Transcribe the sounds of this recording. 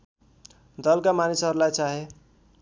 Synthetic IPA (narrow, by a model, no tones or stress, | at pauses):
d̪ʌlkamanisɦʌɾulajt͡saɦe